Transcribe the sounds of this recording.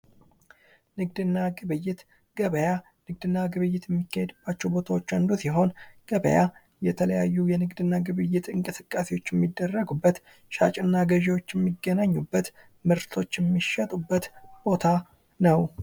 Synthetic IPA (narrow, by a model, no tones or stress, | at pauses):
nɨɡd̪ɨnːaɡɨβɨjːɪt̪ | ɡ̥əβəja | nɨɡ̚d̪ɨnːaɡɨβɨjːɪt̪jɛmːikːahɛd̪ɨbːat͡ʃːɛwbo̞t̪ʰawo̞t͡ʃːand̪usiɦo̞nɡ̥əβə̰ja | jɛt̪ʰələjajːujɛnɨɡd̪ɨnːaɡɨβɨjːɪt̪ɨŋkʼɨsɨkʼːasewo̞t͡ʃːjɛmːid̪ːərːəɡubːət̪ | ʃa̰t͡ʃʼɨnːaɡəʒewot͡ʃːjɛmːiɡːənaɲːubːət̪ | mɨɾt̪ʰo̞t͡ʃːjɛmːiʃət̪ʼubːət̪b̥o̞t̪ʰa | nəw